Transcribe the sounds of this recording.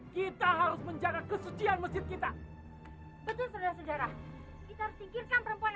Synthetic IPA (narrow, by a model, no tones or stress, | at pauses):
kit̪aɦaɾʊsməɲd͡ʒaɡakəsut͡ʃianməsd͡ʒɪt̪̚kit̪a | bət̪ʊlsədaɾasəd͡ʒaɾa | kit̪ahaɾʊsd̪iɡɪrkanpəɾəmpuan